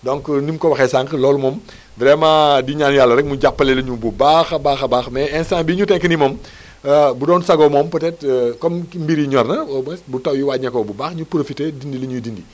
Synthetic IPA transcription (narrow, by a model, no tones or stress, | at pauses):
dɔŋknimkɔwɐxɛsaŋklɔːlumɔm | bɾɛmãːdiɲaːnjalːɐɾɛk̚muɟapːɐlɛlɐɲububaxɐbaːxɐbaːxmɛɛnsaːŋbiːɲutɛŋkənimɔm | budɔːnsɐɡɔmɔmpɐtɛtkɔmmbiɾiɲɔrnɐmsbutɐwjiwaːt̚ɲɐkːɔbubaːxɲupɾofiteːdindilɐɲudindi